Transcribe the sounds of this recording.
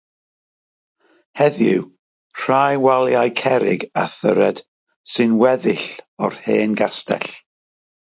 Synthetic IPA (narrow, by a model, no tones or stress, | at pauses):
hɛðjɪ̰w | r̥ajwalˠjajkʰɛɾɪ̰ɡaθəɾɛd̥ | sɨnwɛðɪɬɔ̰rheːnɡastɛ̰ɬ